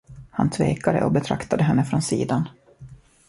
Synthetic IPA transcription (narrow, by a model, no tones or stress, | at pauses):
hant̪ʰveːkad̪ə̰ʔɔbɛt̪ʰɾakt̪ad̪əɦɛnːəfɾɔnsiːd̪an